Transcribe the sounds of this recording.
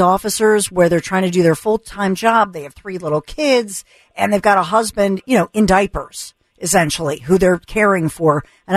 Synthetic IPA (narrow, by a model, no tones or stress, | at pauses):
ɔfɨsə˞zwə˞ðə˞tʰɹ̥aɪɪ̃ŋtʰɨdɨðə˞fʊlˠtʰãɪ̃md͡ʒɑb̚ðeɪɨv̥θɹilɪɾl̩ˠkʰɪdz̥ | ɨ̃nðeɪvɡɑɾəɦʌzbɨ̃ndjɨñoʊʔɨ̃ndaɪpə̰˞z̥ | ʔɨsɛ̃nʃl̩ˠiɦuðə˞kʰɛɹɪ̃ŋfə˞ | ɨ̃n